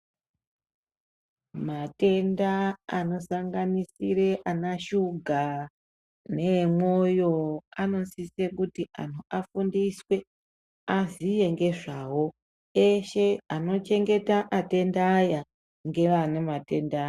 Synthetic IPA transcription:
mate̞ndaano̞saŋɡanisiɾeʔanaʃuɡʱa | ne̞mwojo̞ano̞nsisekutiʔa̰n̤uafundiswe̞ | azije̞ŋɡe̞ʐawo̞ | eʃe̞ano̞t͡ʃe̞ŋɡe̞taʔate̞ndaːja | ŋɡe̞ʋanemate̞nda

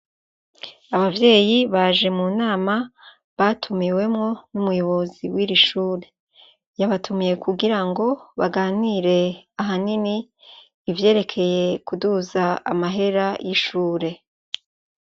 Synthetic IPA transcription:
aβavje̞ːjiβaʒe̞munaːma | βatʰumiwe̞mŋo̞numujo̞βo̞ziwiːɾiʃuːɾe̞ | jaβatʰumije̞kuɡiɾaŋɡo̞βaɡaːniɾe̞aɦaniniː | vje̞ːɾe̞kʰe̞je̞kuduzaa̰maɦe̞ɾajʔiʃuːɾe̞

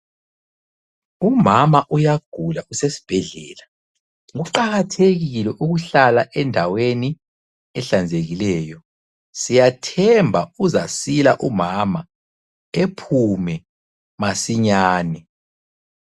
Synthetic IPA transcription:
umamaʔujaɡ̥ʱulausesi̥b̥ʱɛɮɛ̰ːla | ŋuǃaɣatʰeɣilɛʔuɣuɬalaʔɛndʱaweni | ɛɬand͡zʱeɣilɛːjɔ | sijatʰɛmbʱauzasilaʔumama | epʰumɛ | masiɲaːnɛ

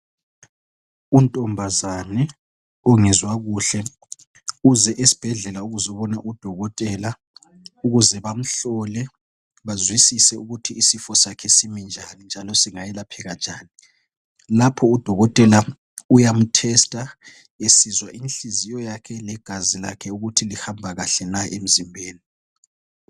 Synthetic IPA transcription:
untʼɔmbʱazanɛ | ɔŋɛzwaɣuɬɛ | uzɛʔesi̥b̥ʱɛɮɛlauɣuzɔβɔnaʔud̥ʱɔɣɔtʼɛla | uɣuzɛβam̩ɬɔlɛ | βazwisisɛuɣutʰiisifɔsakʰɛsimind͡ʒʱanind͡ʒʱalɔsiŋajɛlapʰɛɣand͡ʒʱaːni | lapʰɔud̥ʱɔɣɔtʼɛla | ujam̩tʰɛstʼa | esizwaʔinɬizijɔjakʰɛlɛɡ̥ʱazila̰kʰɛuɣutʰilihambʱaɣaɬɛnaʔem̩zimbʱeːni

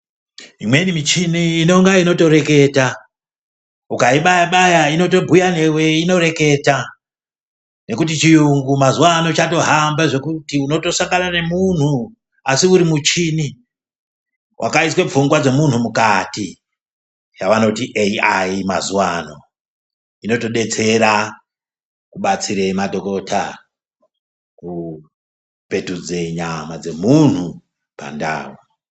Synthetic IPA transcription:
imwe̞nimit͡ʃiniːno̞ŋɡaino̞to̞ɾe̞ke̞ːta | ukaiɓajaɓajaino̞to̞bʱujane̞we̞ino̞ɾe̞ke̞ta | ne̞kut̬it͡ʃijuŋɡumazuwano̞t͡ʃato̞ɦambaʐe̞kutiuno̞to̞saŋɡanane̞mun̤u | asiuɾimut͡ʃini | wʔa̰kaiswe̞p͡fuŋɡwad͡ze̞mun̤umukati | t͡ʃaʋano̞tiʔeiaimazuwano̞ | ino̞to̞ɗe̞t͡se̞ɾa | kuɓat͡siɾemadʱo̞ko̞tʰa | ku | pe̞tud͡ze̞ɲamad͡ze̞mun̤u | pa̰nda̰ːwo

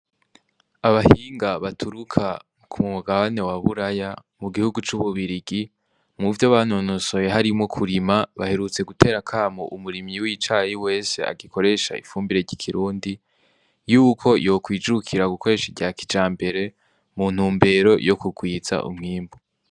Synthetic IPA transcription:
aβahiːŋɡaβatʰuɾukʰa | kʰummuɡaβane̞waβuɾaja | muɡihuɡut͡ʃuβuβiɾiɡi | muvjoβanonoso̞jeɦaɾimŋo̞kʰuɾimaβahe̞ɾut͡se̞ɡutʰe̞ːɾakʰaːmo̰ʔumuɾimɲiwit͡ʃaːjiwe̞ːsḛa̰ɡikʰo̞ɾe̞ʃa̰ḭfuːmbiɾe̞ɟikʰiɾuːndi | juːkʰo̞jo̞ːkwiːd͡ʒukʰiɾaɡukʰo̞ɾe̞ʃidɟaːkid͡ʒaːmbe̞ɾe̞ | mun̥uːmbe̞ɾo̞jo̞kuɡwiːza̰ʔṵmŋiːmbo

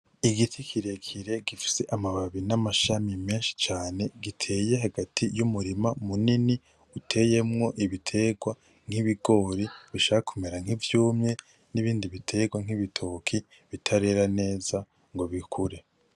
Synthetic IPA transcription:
iɡitʰikʰiɾe̞kʰiɾe̞ɡifi̥se̞ʔamaβaβinamaʃamimeːnʃi̥t͡ʃaːne̞ɡitʰe̞ːje̞ɦaɡatʰijumuɾimamunini | utʰe̞jemŋo̞ʔiβitʰe̞ɡwa | ŋ̥iβiɡo̞ːɾiβiʃaakʰumeɾaŋ̥hivjuːmɲe̞ | niβiːndiβitʰe̞ɡwaŋ̥iβitʰokʰi | βitʰaɾe̞ɾane̞ːza | ŋɡo̞βikʰuɾe̞

